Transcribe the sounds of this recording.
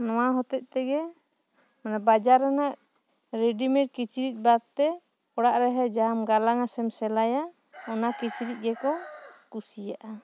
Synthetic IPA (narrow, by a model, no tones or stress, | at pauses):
nɔwaɦɔt̪ɛc̪̚ˀt̪ɛɡɛ | manabad͡ʒaɾɛnaʔ | ɾeɖimɛʈ̚kit͡ʃiɾic̪̚ˀbad̪̚t̪ɛ | ɔɽaʔɾɛɦɛd͡ʒamɡalaŋasɛmsɛlaja | ɔnakit͡ʃiɾic̪̚ˀɡɛkɔkusijaʔa